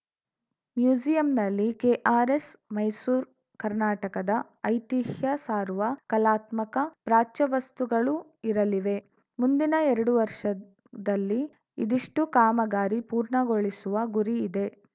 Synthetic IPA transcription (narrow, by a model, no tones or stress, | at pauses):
mjuːd͡ʒijɐmnɐlːikeʔaːɾesmɐjsuːɾ | kɐɾnaːʈɐkɐd̪ɐ | ɐjt̪ihjɐsaːɾuʋɐkɐlaːt̪mɐkɐpɾaːt͡ʃɐʋɐst̪uɡɐɭu | iɾɐliʋe̞ | mund̪inɐɛɾɐɽuʋɐɾʂɐ | d̪ɐlːi | ḭd̪iʂʈukaːmɐɡaːɾipuːɾɳɐɡo̞ɭisuʋɐɡuɾiːd̪e̞